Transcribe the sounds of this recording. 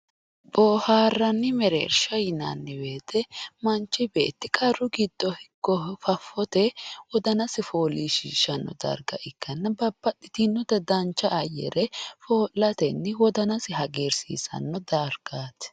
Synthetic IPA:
bɔːhaːrːɐnːɪmɛɾḛːɾʃɐjɪnɐ̰nːɪbeːt̪ɛmɐnt͡ʃːɪbeːt̪ːɪkʼɐrːʊɡɪd̪ːɔhɪɡːɔfɐfːɔt̪ɛwɔd̪ɐnɐsɪfoːliːʃḭːʃɐnːɔ̰d̪ɐ̰ɾɡɐ̰ʔɪkːɐnːɐbɐbːɐɗɪt̪ɪnːɔd̪ɐd̪ɐnt͡ʃːɐʔɐjɛ̰ɾɛfoːlːɐt̪ɛnːɪwɔd̪ɐnɐsɪɦɐɡeːɾsḭːsɐ̰nːɔd̪ɐɾɡaːt̪

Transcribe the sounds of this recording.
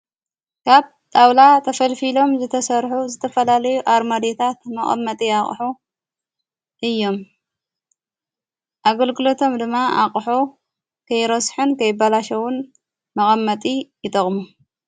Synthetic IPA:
kʰaβ | t̪ʼawlat̪ʰɐfɐlfilo̞mzɨt̪ʰɐsɐɾħuzɨt̪ʰɐfɐlalɐjuʔaɾmad̪et̪ʰat̪̚mɐχʼɐ̰mːɐt̪ʼiaχʼħu | ʔɨjːo̞m | ʔaɡɐlɡɨlo̞t̪ʰo̞md̪ɨmːaʔa̰χʼħu | kʰɐjɾɐsħɨnkʰɐjɪbalaʃɐwʊn | mɐɣʼɐmːɐt̪ʼijɨt̪ʼɐχʼmu

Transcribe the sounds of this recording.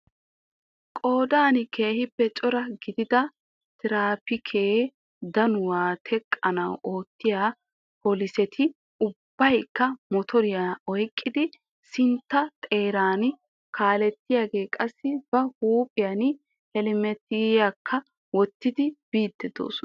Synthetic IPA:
kʼo̞ːd̪aːnɪkeːhɪpːɛt͡ʃʼɔɾɐɡɪd̪ɪd̪ɐ | t̪ɪɾaːpɪkʰeː | d̪ɐnʊwaːt̪ʰɛkʼːɐnɐwʔo̞ːt̪ːɪjaː | poːlɪsɛt̪ʰɪ | ʊbːɐjkːɐmɔt̪ʰɔɾɪjaːɔjkʼːɪd̪ɪ | sɪnt̪ːɐt̪ʼe̞ːɾaːnɪ | kʰaːlɛt̪ːɪjaːɡe̞ːkʼɐsːɪbɐhuːpʼɪjan | hɛlɪmɛt̪ːɪɡjakʰːɐ | wɔt̪ːɪd̪ɪb̥iːd̪ːɛd̪o̰ːs

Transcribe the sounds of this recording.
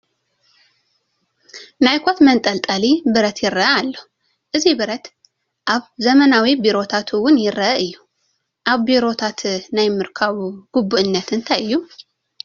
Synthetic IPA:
najkʰot̪mənt̪ʼəlt̪ʼalibɨɾət̪jɪɾːəʔəalːəhu | ʔɨzibɨɾət̪ | ʔaβzəmənawibiɾo̞t̪ʰat̪ʰuwʊnjɪrːəʔəʔɨjːɛ | ʔaβbiɾo̞t̪ʰat̪najmːɨɾkʰaβuɡ̥ubːuʔɨnːət̪ɨnt̪ʰajːu

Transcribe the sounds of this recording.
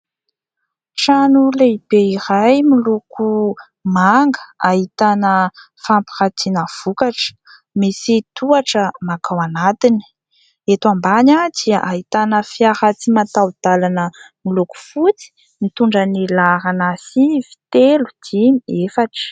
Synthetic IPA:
ʈ͡ʂanuleib̥eiɾajmiluku | maŋɡə̥ahit̪anə | fampi̥ɾat̪ʰinəv̥ukaʈ͡ʂ | misit̪uaʈ͡ʂəmakawanat̪ini̥ | et̪wambanad̪̥iaʔaɦit̪anəfiaɾat͡simat̪awd̪̥alanə | miluku̥fut͡si̥ | mit̪uɳɖ͡ʐənilaɾanasivi̥t̪elu̥d̪̥imefaʈ͡ʂə̥

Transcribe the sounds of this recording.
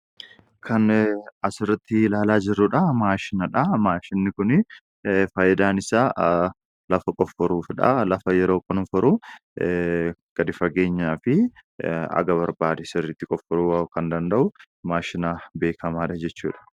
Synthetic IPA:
kʰɐnɐsɪrːɐt̪ːɪlaːlaːd͡ʒɪrːʊᶑɐmaːʃɪnɐᶑɐmaːʃɪnːɪkʊnɪ | fɐːjɪd̪aːnɪsaː | lɐfɐkʼɔfːɔɾuːfᶑɐ̰lɐfɐjɛɾoːkʼʊnfɔɾu | ɡ̥ɐd̪ɪfɐɡe̞ːɲːaːfɪ | ɐ̰ɡɐβɐɾbaːd̪ɛsɪrːɪt̪ːɪkʼɔfːɔɾuwkɐnd̪ɐnd̪ɐʔʊ | maːʃɪnaːbe̞ːkʰɐmaːᶑɐd͡ʒɛt͡ʃːṵːᶑɐ̥

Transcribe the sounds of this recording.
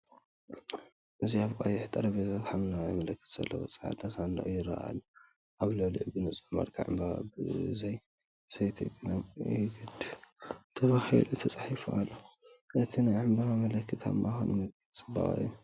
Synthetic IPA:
ʔɨziaβkʼajɪħt̪ʼɐɾɐβezot̪ħamnajɐmɐlɐkːɨt̪z̥ɐ̰lːɐ̰wo̰t͡sʼɨħa̰t̪ʰasand̪a̰ʔujɪɾa̰ʔa̰lːo | ʔaβlolḭʕbɨnɨt͡sʼomɐ̰ɾkʰa̰ʕɨ̰mbaɣa̰bɨzɐj | sɐjt̪ʰiɡʼɨnamjɡɨd̪ | t̪ʰɐβahḭlut̪ʰɐt͡sʼaħifuʔalːo | ʔɨt̪ʰinajʕɨmbaɣamɐlɐkːɨt̪ʰa̰mːajxonmɨkʰɨt̪ʼt͡sʼɨba̰ʔʼa̰ːu

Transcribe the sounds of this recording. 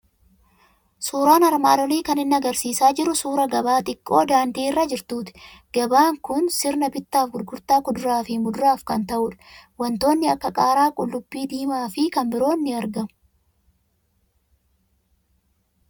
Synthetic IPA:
suːɾaːnɐɾmaːd̪ɔliːkɐnɪnːɐɐɡɐɾsiːsaːd͡ʒɪɾːʊsuːɾɐɡɐbaːt̪ʼɪkʼːo̞ːd̪aːnd̪iːɪrːɐd͡ʒɪɾt̪uːt̪ɪ̥ɡ̥ɐbaːŋkʊnsɪɾnɐbɪt̪ːaːfɡʊɾɡʊɾt̪aːkʊd̪ʊɾaːfɪmʊd̪ʊɾaːfkɐnt̪ɐʔʊᶑɐ̥wɐnt̪o̞ːnːɪɐkːɐkʼaːɾaːkʼʊlːʊbːiːd̪iːmaːfɪkɐmbɪɾo̞ːnːɪɐɾɡɐmʊ

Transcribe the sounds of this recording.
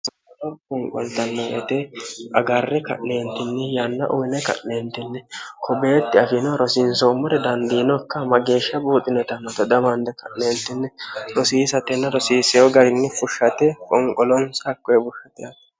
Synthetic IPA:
sɐɔɾkɔŋkʼɔnt̪ɐnːɔʔɛ̰t̪ɛʔɐɡarːɛkɐ̰ʔneːnt̪ɪnːɛjanːɐ̰ʔʊjɪnɛkɐ̰ʔneːnt̪ːɪnːɛkʰɔbeːt̪ːɪɐfɪnɔɾɔsɪnsomːɔɾɛd̪ɐnd̪iːnɔkːɐmɐɡe̞ːʃːɐbuːt̪ʼɪnɛt̪ɐnːɐt̪ɐd̪ɐmɐnd̪ɛkʰɐʔneːnt̪ɪnːɛɾɔsiːsɐt̪ɛnːɐɾɔsiːsɛjɔɡɐɾɪnːɛfʊʃːɐt̪ɛkʼɔŋkʼɔlɔnsakːɔjɛbʊʃːɐt̪ɪjat̪

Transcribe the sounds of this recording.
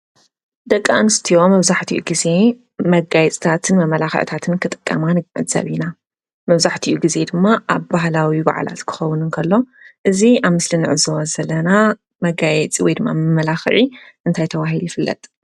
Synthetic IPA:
d̪ɐkʼːa̰nɨst̪ʰijo̞mɐβzaħt̪ʰiʔṵɡize̞ | mɐɡajɛt͡sʼt̪ʰat̪ʰɨnmɐmɐlaxɨ̰ʕt̪ʰat̪ʰɨnkʰɨt̪ʼɨ̥kʼːɐ̰manʕɨ̰zɐ̰βina | mɐβzaħt̪ʰiʔuɡize̞d̪ɨmːaʔaβbaɦlawiba̰ʕa̰la̰t̪kʰɨ̥xɐwːʊnɨnkʰɐlːo̞ | ʔɨziʔaβmɨslinɨʕɨzɐwɐzɐlːɐna | mɐɡajɛt͡sʼiwɔjd̪ɨmːa̰mɐmɐlaxʕiʔɨnt̪ʰajt̪ʰɐβaɦiljɪfɨlːɐ̰t̪ʼ

